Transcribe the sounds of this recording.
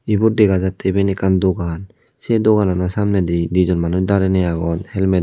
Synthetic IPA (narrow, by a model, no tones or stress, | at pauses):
ibuɾdɛɡazat̪ʰːebenɛkand̪oɡan | sed̪oɡananɔsamnɛd̪id̪id͡ʒɔnmanusd̪aɾɛnɛjaɡɔnhɛlmed